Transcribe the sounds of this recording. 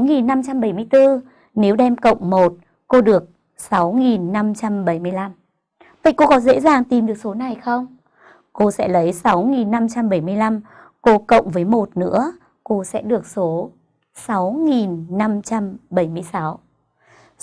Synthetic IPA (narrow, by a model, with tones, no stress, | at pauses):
ŋi˨˩nːa˧mt͡ɕa˧mɓə˧˩jmɨ˧əjt̪ɨ˧ | ne˨˦wɗɛ˧mkə̰˧˨wŋ͡mmo˨˩t̚ | ko˧ɗɨ˨˩ək̚ | sa˨˦wŋi˨˩nːa˧mt͡ɕa˧mɓə˧˩jmɨ˧əjla˧m | və̰˧˨jko˧kɔ˨˦zḛ˧˥zaː˨˩ŋt̪i˨˩mɗɨ˨˩ək̚so˨˦na˨˩jxə˧wŋ͡m | ko˧sɛ̰˧˥lə˨˦jsa˨˦wŋi˨˩nːa˧mt͡ɕa˧mɓə˧˩jmɨ˧əjla˧m | ko˧kə̰˧˨wŋ͡mvəː˨˦jmo˨˩t̚nɨ̰˧˥ə | ko˧sɛ̰˧˥ɗɨ˨˩ək̚so˨˦ | sa˨˦wŋi˨˩nːa˧mt͡ɕa˧mɓə˧˩jmɨ˧əjsa˨˦w